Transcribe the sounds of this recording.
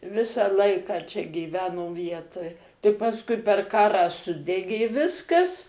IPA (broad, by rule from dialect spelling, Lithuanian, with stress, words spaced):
ˈʋʲɪsɑː ˈlˠɐɪkɑː ˈt͡ʃʲɛ ɡʲiːˈʋʲæːnoː ˈʋʲiɛtoːj tɐɪ pɐsˈkʊɪ pʲɛr ˈkɑːrɑː ˈsʊdʲɛɡʲeː ˈʋʲɪskɐs